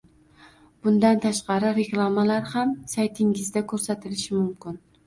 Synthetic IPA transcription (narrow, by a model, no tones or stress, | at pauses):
b̥ʊnd̪ant̪ʰaʃqɑɾɪɾeklˠamalaɾhamsajt̪ʰɪŋɪzd̪akʰɵɾsat̪ʰɪlɪʃɪmʊmkʰʲɪn